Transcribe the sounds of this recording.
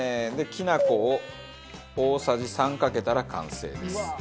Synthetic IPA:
d̪e̞kʲinakoː | oːsaʑisãŋkake̞t̪aɾakã̰ɰ̃se̞̰ːd̪e̞sɨ̥

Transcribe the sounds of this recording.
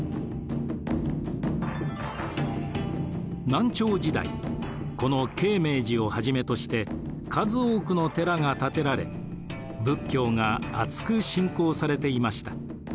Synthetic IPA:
nãɲ̟t͡ɕo̞ːd͡ʑid̪a̰ḭ | ko̞no̞ke̞ːme̞ːd͡ʑio̞haʑime̞t̪o̞ɕi̥t̪e̞ | kʰazɨoːkɯ̟no̞t̪e̞ɾaŋat̪at̪e̞ɾaɾe̞̰ | bɯ̟kʲːo̞ːŋaat͡sɨ̥kɯ̟ɕĩŋko̞ːsaɾe̞t̪e̞imaɕi̥t̪ḁ

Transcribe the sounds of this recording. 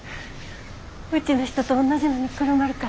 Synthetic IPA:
ɯ̟t͡ɕinoçi̥t̪ot̪oːnːaʑijoːɲ̟ikɯɾomaɾɯ̟ka

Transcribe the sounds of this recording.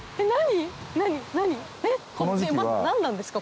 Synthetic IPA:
enaɲ̟inaɲ̟inaɲ̟inekonod͡ʑimʲa̰nãnːãnd̪esɨ̥ka

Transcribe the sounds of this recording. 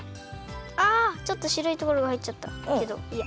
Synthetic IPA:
at͡ɕo̞t̪ːo̞ɕiɾoit̪o̞ko̞ɾoahaitʲːt͡ɕat̪ːa̰ke̞d̪o̞̰ia

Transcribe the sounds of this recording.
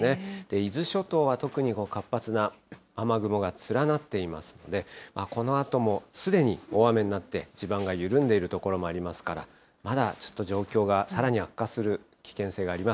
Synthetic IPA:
ne̞d̪̥e̞izɨɕo̞t̪o̞ːβat̪o̞kɯ̟ɲ̟iko̞ːkapːat͡sɨnaː | maɡɯ̟mo̞ɡat͡sɨɾanat̪ːe̞ima̰sɨ̥no̞̰d̪e̞mako̞no̞at̪o̞mo̞sɨd̪e̞ɲ̟io̞ame̞ɲ̟inat̪ːe̞id͡ʑibãŋɡajɯ̟ɾɯ̟̃nd̪e̞iɾɯ̟t̪o̞ko̞ɾo̞mo̞aɾʲimasɨ̥kaɾa̰ | mad̪at͡ɕo̥t̪ːo̞ʑo̞ːkʲo̞ːɡasaɾaɲ̟iakːasɨɾɯ̟ | kʲi̥kẽ̞se̞ːɡaːɾʲima

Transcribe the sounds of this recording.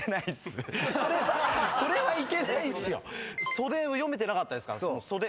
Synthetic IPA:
enaid̪esɨso̞ɾe̞βaso̞ɾe̞βaike̞naisɨjo̰so̞d̪eojo̞me̞t̪e̞nakat̪ːad̪e̞sɨ̥ka̰ɾasonoso̞d̪e

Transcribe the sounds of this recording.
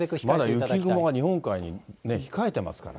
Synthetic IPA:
mmad̪ajɯ̟kʲiɡɯ̟moɡaɲ̟ihõ̞ŋkaiɲ̟ine̞çi̥kae̞t̪e̞ma̰sɨ̥ka̰ɾa̰

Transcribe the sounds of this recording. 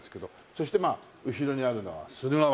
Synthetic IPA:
esɨ̥ke̞d̪o̞ | so̞ɕi̥t̪e̞maː | ɯ̟ɕiɾo̞ɲ̟iaɾɯ̟no̞̰βa̰sɨɾɯma

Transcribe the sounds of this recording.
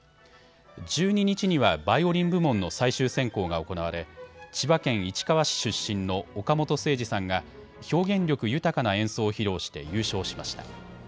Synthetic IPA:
d͡ʑɨːɲ̟iɲ̟it͡ɕiɲ̟iβabaio̞ɾʲĩmbɯ̟mõ̞nːo̞saiɕɨːsẽ̞ŋko̞ːɡao̞ko̞naβaɾe̞t͡ɕibakẽ̞ɰ̃it͡ɕi̥kaβaɕi̥ɕɨɕːĩnːo̞ːkamo̞t̪o̞se̞ːʑisãŋɡa | ço̞ːɡẽ̞ɲɾʲo̞kɯ̟jɯ̟t̪akanaẽ̞ɰ̃so̞ːçiɾo̞ːɕi̥t̪e̞̰jɯ̟ːɕo̞ːɕi̥maɕi̥t̪a̰

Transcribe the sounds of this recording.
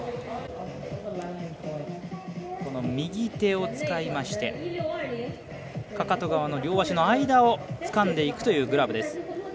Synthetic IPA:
ko̞no̞mʲiɡʲit̪e̞o̞t͡sɨ̥kaimaɕi̥t̪e̞̰ | kakat̪o̞ɡaβano̞ɾʲo̞ːβaɕino̞aid̪ao̞t͡sɨ̥kãnd̪e̞ikɯ̟t̪o̞jɯ̟ːɡɯ̟ɾabɯ̟d̪e̞sɨ̥

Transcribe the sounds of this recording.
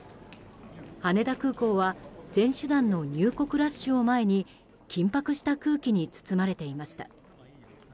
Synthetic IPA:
hane̞d̪akɯ̟ːko̞ːβasẽ̞ɰ̃ɕɨd̪ãnːo̞ɲ̟ɨːko̞kɯ̟ɾasɕɨo̞mae̞ɲ̟i | kʲĩmpakɯ̟ɕi̥t̪akɯ̟ːkʲiɲ̟it͡sɨ̥t͡sɨmaɾe̞t̪e̞imaɕi̥t̪ḁ̰

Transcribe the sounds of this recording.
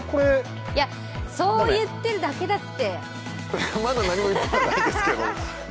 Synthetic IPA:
ko̞ɾe | ja | so̞ːjɯ̟t̪ːe̞ɾɯ̟d̪ake̞d̪at̪ːe̞ | mad̪anaɲ̟imo̞it̪ːetaaid̪esɨked̪o

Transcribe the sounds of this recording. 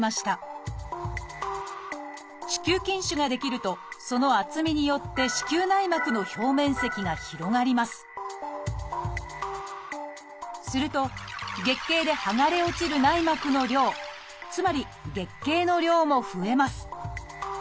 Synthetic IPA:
maɕi̥t̪a | ɕi̥kʲɨːkʲĩɰ̃ɕɨɡad̪e̞kʲiɾɯ̟t̪o̞so̞no̞at͡sɨmʲiɲ̟ijo̞t̪ːe̞ɕi̥kʲɨːnaimakɯ̟no̞ço̞ːmẽ̞ɰ̃se̞kʲiɡaçiɾo̞ɡaɾʲimasɨ̥ | sɨɾɯ̟t̪o̞ɡe̞kːe̞ːd̪e̞haŋaɾe̞o̞t͡ɕiɾɯ̟naimakɯ̟no̞ɾʲo̞ː | t͡sɨmaɾʲi | ɡe̞kːe̞ːno̞ɾʲo̞ːmo̞ɸɯ̟e̞masɨ̥

